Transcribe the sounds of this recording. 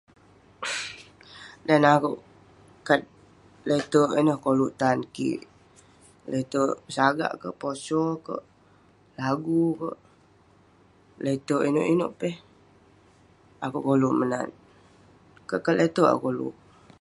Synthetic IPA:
danakuʔ | kat̪̚ | let̪əʔinəhkoluʔt̪ankḭʔ | let̪əpəsaɡa̰ʔkə̰ʔposɔkə̰ʔ | laɡukə̰ʔ | let̪oʔino̰ʔino̰ʔpɛh | akuʔkoluʔməna̰n | kəʔkat̪let̪əa̰kolṵʔ

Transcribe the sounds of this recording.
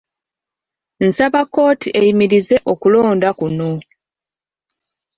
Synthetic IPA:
n̩saβakːo̞ːtiʔejimiɾize̞ʔo̞kulo̞ːndakuno̞

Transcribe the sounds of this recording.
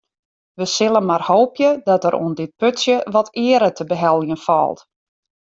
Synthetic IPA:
ʋəsɪlˠənmarhoːpjədɔtəɾṵəndɪt̚pøtsjəʋɔtʰɪːəɾətʰəbəɦɛlˠjənfɔ̰lˠt

